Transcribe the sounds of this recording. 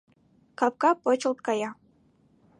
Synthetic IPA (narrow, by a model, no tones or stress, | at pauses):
kɑp̚kɑpot͡ɕɤ̆lˠt̪̚kɑjɑ